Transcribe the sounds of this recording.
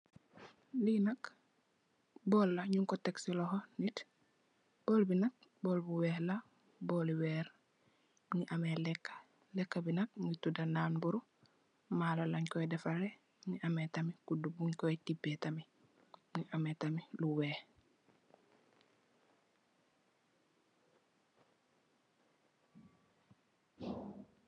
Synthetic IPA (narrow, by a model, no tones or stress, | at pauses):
linak | bɔːlːaɲuŋkoteksilohonit | b̥oːlbinak̚bolbuwɛːhla | boliweːɾ | ŋiʔamelekːḁ | lekːabinak̚ŋɡitudanaːnbuɾu | malalaɲkɔjdefaɾe | ɲiʔametamikudubuɲkotibetami | ŋiʔametamiluweːh